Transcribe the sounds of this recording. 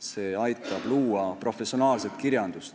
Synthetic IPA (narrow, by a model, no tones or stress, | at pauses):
se̞ːɑjt̪ːˑɑb̥luːɑpro̞fe̞sio̞nɑːlset̪kiɾjɑnd̪̥ust̪